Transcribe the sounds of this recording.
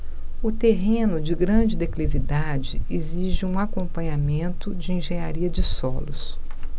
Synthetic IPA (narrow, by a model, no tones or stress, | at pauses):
ʊt̪eɦẽnʊd͡ʒɪɡɾɐ̃d͡ʒɪd̪eklivid̪ad͡ʒɪeziʒɪũakõmpɐ̃ɲamẽnt̪ʊd͡ʒɪĩʒẽɲaɾiɐd͡ʒɪsɔlʊs